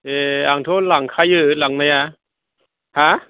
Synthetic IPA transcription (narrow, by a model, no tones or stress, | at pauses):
ʔeːʔaŋt̪ʰoːlaŋkʰajɯlaŋmaja | ha